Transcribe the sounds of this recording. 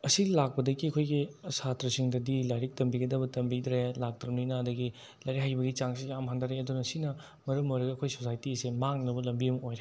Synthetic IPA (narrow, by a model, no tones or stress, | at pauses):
ɐsilak̚pɐdɐɡiɐkʰojɡiɐsatɾɐsiŋdɐdilajɾik̚tɐmbiɡɐdɐbɐtɐmbidɾelak̚tɾɐmnijnaɐdɐɡi | lajɾikhajbɐɡit͡ʃaŋsejamɦandɐɾeɐdunɐsinɐ | mɐɾɐmojɾɐɡɐɐkʰojsosajtisemaŋnɐbɐlɐmbiɐmojɾe